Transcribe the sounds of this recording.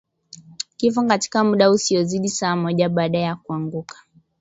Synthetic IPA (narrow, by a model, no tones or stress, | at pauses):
kifɔkati̥kamuɗausiɔziɗisaːmɔʄaɓaːɗaɛjakuaŋɡukḁ